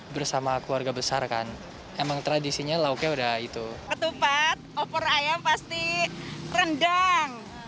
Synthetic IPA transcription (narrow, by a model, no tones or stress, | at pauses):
bərsamakəluarɡabəsarka̰n | emaŋt̪ɾadisiɲalaukjaudahit̪ukət̪upat̪̚opəɾajampast̪i | rəndaŋ